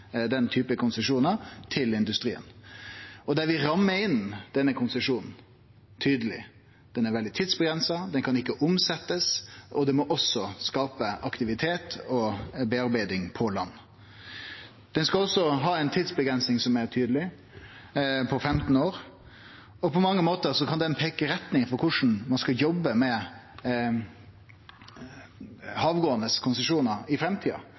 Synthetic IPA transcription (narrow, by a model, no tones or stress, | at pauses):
d̪ɛnt̪ʰyːpəkʰʊnsəʂuːnət̪ʰɪlɪnd̪ʉst̪ɾḭːə̰n | ɔd̪æɾʋɪɾɑmːəɾɪnd̪̥ɛnəkʰʊnsəʂuːnn̩ | t̪ʰyːd̪əlɪ̰ | d̪̥ɛnæɾʋɛld̪ɪt̪ʰiːd̪sbəɡɾɛnsɑd̪ɛnkʰɑnɪkːəʔʊmsɛt̪ːəsʔɔd̪ɛmɔʔɔsɔskɑːpəʔɑkt̪ɪʋɪt̪ʰeːt̪ʰɔbɛɑɾbæɪd̪ɪŋpʰɔlɑ̰nː | d̪̥ɛnskɑɔsːɔɦɑɛɪnt̪ʰiːd̪sbəɡɾɛnsnɪŋsɔmæɾt̪ʰyːd̪əlɪ | pʰɔfɾɛmt̪n̩oːɾ | ɔpʰɔmɑŋːəmoːt̪əɾsɔkʰɑnd̪ɛnpʰeːkəɾɛt̪nɪŋfɔɾkʰʊʂn̩mɑnskɑjɔbːəmɛ | hɑːʋɡoːənəskʰʊnsəʂuːnəɾɪfɾɛmt̪ʰiːɑ̰